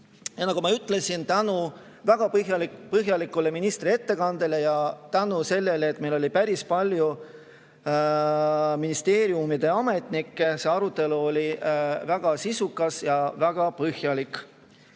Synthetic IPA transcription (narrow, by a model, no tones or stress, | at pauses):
jɑnɑɡ̥umɑyt̪ːˑle̞sint̪ænu | væɡ̥ɑpɤɦjɑlikpɤɦjɑlikːˑule̞minist̪rie̞t̪ːe̞kɑnd̪̥e̞le̞jɑt̪ænuse̞lːe̞leːt̪ˑːmejlo̞lipæɾispɑlʲju | minist̪e̞ːɾiumid̪̥e̞ɑme̞t̪ˑnikːese̞ɑɾut̪ːˑe̞luolʲivæɡ̥ɑsisukːˑɑsjɑvæɡ̥ɑpɤhjɑlikˑ